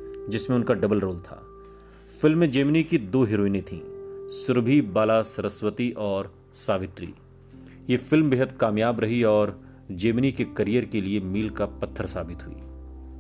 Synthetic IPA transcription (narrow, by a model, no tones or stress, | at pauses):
d͡ʒɪsmẽʊnkaɖɐbəlɾoːlt̪ʰa̰ː | fɪlmːẽd͡ʒeːmnikid̪oːɦɪɾoːinẽt̪ʰḭ̃ːsʊɾbʱibaːlasɐɾəswət̪iʔɔːɾ | saːʋɪt̪ɾḭː | jefɪlmbɪɦət̪̚kaːmjaːbɾɐɦiɔːɾ | d͡ʒeːmnikekɐɾijəɾkeliemiːlkapɐt̪ʰːəɾsaːbɪt̪ɦʊḭː